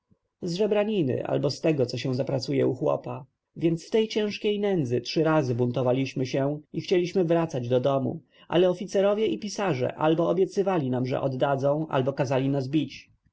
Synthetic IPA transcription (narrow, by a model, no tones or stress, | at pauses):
zʐɛbɾaɲinɘ̰ʔa̰lbɔst̪ɛɡɔt̪sɔɕɛ̃w̃zapɾat̪sujɛ̰uxwɔ̰pa | vʲjɛnt̪sft̪ɛjt͡ɕɛ̃w̃ʂkʲejnɛnd̪zɘtʂɘɾazɘbunt̪ɔvalʲiɕmɘɕɛixt͡ɕɛlʲiɕmɘvɾat̪sad͡ʑd̪ɔd̪ɔmṵ | ʔa̰lɛɔfʲit̪sɛɾɔvʲjɛʔipʲisaʐɛ̰ʔa̰lbɔɔbʲjɛt̪sɘvalʲinamʐɛ̰ʔɔd̪ːad̪zɔ̃w̃ʔa̰lbɔkazalʲinazbʲit͡ɕ